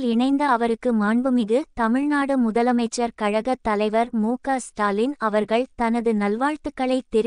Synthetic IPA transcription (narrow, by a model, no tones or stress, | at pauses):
lɪɳɐɪnd̪ɐːɐʋɐɾɯkːɯmaːɳbɯmɪðɯt̪ɐmɪɻnaːɽɯmʊðɐlɐmɐɪt͡ʃːɐɾkɐɻɐɣɐt̪ːɐlɐɪʋɐɾmuːkaːsʈaːlɪnɐʋɐɾɣɐɭt̪ɐnɐðɯnɐlʋaːɻt̪ɯkːɐɭɐɪt̪ːɛɾ